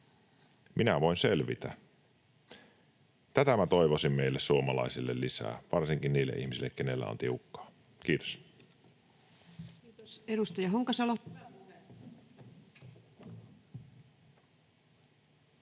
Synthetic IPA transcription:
mʔinæʋo̞inselʋḭt̪æ̰ | t̪æt̪æmæt̪o̞jʋosimmeilːessuomɑlɑ̰isilːelːisæ̰ːʋɑrsiŋkinniːlːḛʔiçmisilːekkene̞lːæ̰o̰nt̪iukːɑ̥ː | k̟iːt̪o̥s | eɾust̪ɑjɑɦoŋkɑsɑlo

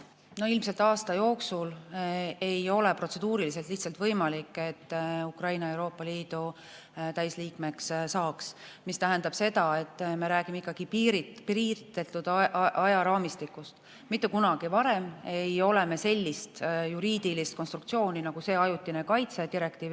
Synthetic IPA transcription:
noilmse̞lt̪ɑːst̪ɑjo̞ːksul | e̞jo̞le̞pɾro̞t̪se̞d̪̥uːɾilis̬e̞lt̪liht̪sɑlt̪vɤjmɑlikːˑe̞t̪ːukrɑjnɑe̞wɾo̞ːpːˑɑliːd̪̥u | t̪æjsliːkme̞kssɑːksmist̪æɦend̪ɑb̥se̞d̪ɑe̞t̪ːˑme̞ɾæːɡ̥imeikˑːɑɡ̥ipiːɾitpriːt̪ːet̪ːud̪̥ʔɑjɑɾɑːmist̪ikːˑust̪ | mit̪ːˑukunɑɡ̥ivɑɾe̞me̞jo̞leme̞se̞lʲːist̪juɾiːd̪̥ilist̪konst̪ɾukt̪sio̞ːnʲinɑɡ̥use̞ːɑjut̪ːˑinekɑjt̪se̞d̪iɾe̞kt̪iːv

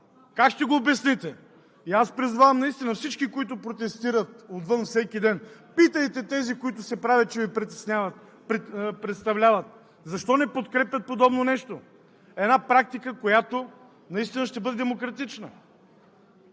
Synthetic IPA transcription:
kakʃt̪ɛɡoːbɛsnit̪ɛ | iaspɾizvavɐmnɐist̪inəfsit͡ʃkikoit̪ʊpɾot̪ɛst̪iɾət̪ot̪vɤnfsɛkʲid̪ɛnpit̪əjt̪ɛt̪ɛzikoit̪ʊsɛpɾavʲɛt̪̚t͡ʃɛvipɾit̪ɛ̥snʲavət̪ | ppɾɛt̪st̪ɐvlʲavət̪ | zɐʃt̪ɔnɛpot̪kɾɛpʲjɐt̪̚pod̪ɔbnonɛʃt̪o | ɛd̪napɾak̚t̪ikəkojat̪o | nɐist̪inɐʃt̪ɛbɤd̪ɛd̪ɛmokɾɐt̪it͡ʃnə̰

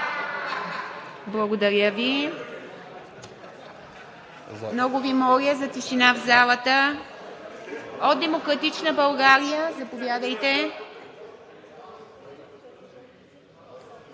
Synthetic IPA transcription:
blˠəɡod̪ɐɾʲjəvi | mnɔɡʊvimɔɾiəzɐt̪iʃinavzalˠət̪ə | od̪̚d̪ɛmokɾɐt̪it͡ʃnəbɐlˠɡaɾijəzɐpovjad̪əjt̪ɛ

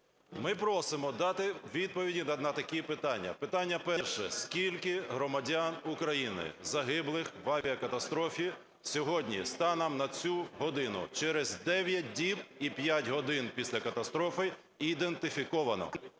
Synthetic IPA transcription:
mɪpɾɔsɪmɔd̪ɑt̪ɪʋʲid̪̚pɔʋʲidʲinɐnɐt̪ɐkʲipɪt̪ɑnʲːɐ̰pɪt̪ɑnʲːɐpɛrʃɛskʲilʲkɪɦɾɔmɐdʲanukɾɐjinɪ̰zɐɦɪblˠɪxʋɐʋʲiɐkɐt̪ɐst̪ɾɔfʲi | sʲɔɦɔdʲnʲḭst̪ɑnɐmnɐt͡sʲuɦɔd̪ɪnʊ̰t͡ʃɛɾɛzd̪ɛʋʲjɐt̚ʲdʲibipʲjatʲɦɔd̪ɪnpʲisʲlʲɐkɐt̪ɐst̪ɾɔfɪ | id̪ent̪ɪfʲikɔʋɐnɔ̰

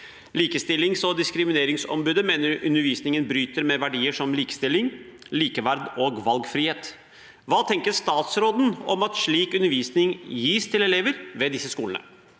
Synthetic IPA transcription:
liːkəst̪ɪlːɪŋsɔd̪ɪskɾɪmɪneːɾɪŋsɔ̰mbʉːd̪əmeːnəɾʉ̰nəɾʋiːsnɪŋənbɾyːt̪əɾmɛʋæɖiːəʂɔmliːkə̥st̪ɪlːɪŋliːkəʋæɾd̪oːɡʋɑlɡfɾiːheːt̪ | ʋɑːt̪ʰɛŋkəɾst̪ɑːt̪sɾoːd̪n̩ɔ̰mɑt̪ʂɭiːkʉnːəɾʋiːsnɪŋjiːst̪ʰɪlɛleːʋəɾʋɛd̪ɪsːəskuːlənə̰

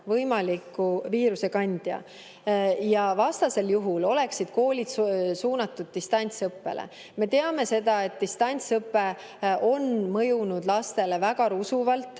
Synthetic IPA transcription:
vɤjmɑlikːuviːɾuse̞kɑnʲd̪̥jɑ̰ | jɑvɑst̪ɑse̞ljuɦulo̞le̞ksid̪̥̚ko̞ːlʲid̪̥suːnɑt̪ːud̪̥̚ːist̪ɑnʲt̪sɤpːe̞̰lʔḛ | me̞t̪e̞ɑme̞se̞d̪̥ɑe̞t̪̚d̪ist̪ɑnʲt̪sɤpːe̞ | ʔo̞nmɤjunud̪̥lɑst̪e̞le̞væɡ̥ɑɾusuvɑlt̪ːˑ

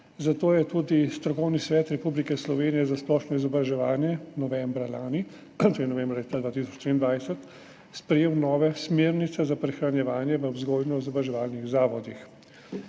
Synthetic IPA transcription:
zat̪oːjɛt̪ud̪ist̪ɾɔkɔwnisʋɛːt̪ɾɛpublikɛslɔʋeːnijɛzasplɔːʃnɔizɔbɾaʒɛʋaːnjɛnɔʋɛmbɾalaːni | t̪oinɔʋɛ̃mbɾalet̪ad̪ʋaːt̪isɔt͡ʃt̪ɾiːnd̪ʋajsɛt̪ | spɾɛjeːwnɔːʋɛsmeːɾnit̪sɛzapɾɛxɾanjɛʋaːnjɛʋəwzɡojnɔizɔbɾaʒɛʋaːlniɣzaːʋɔd̪ix

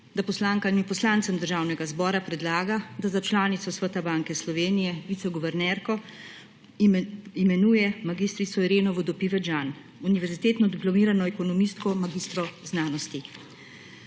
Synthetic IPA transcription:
d̪apɔslaːŋkainipɔslaːnt̪sɛmd̪əɾʒawnɛɡazbɔːɾapɾɛd̪laːɡad̪azat͡ʃlaːnit̪sɔsʋət̪abaŋkɛslɔʋeːnijɛʋit̪sɔɡɔʋɛɾnɛɾkɔ | imɛnuːjɛmaɡist̪ɾit̪sɔiɾeːnɔʋɔd̪ɔpiʋɛd͡ʒan | uniʋɛɾzit̪eːt̪nɔd̪iplɔmiːɾanɔɛkɔnɔmist̪kɔmaɡiːst̪ɾɔznaːnɔst̪i

